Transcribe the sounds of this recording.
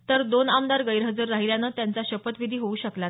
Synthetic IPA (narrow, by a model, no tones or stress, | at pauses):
t̪əɾd̪onamd̪aɾɡəjɾɦəd͡zəɾːaɦiljanət̪jant͡saɕəpət̪ʋid̪ʱiːɦouːɕəkla